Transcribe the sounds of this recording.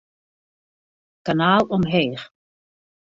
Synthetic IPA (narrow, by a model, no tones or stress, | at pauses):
kanaːlˠɔmɦeːχ